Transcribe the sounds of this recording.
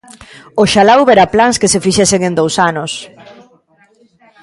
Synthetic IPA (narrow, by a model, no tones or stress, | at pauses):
oʃalawβɛɾaplaŋskesefiʃɛseŋẽnd̪owsanʊs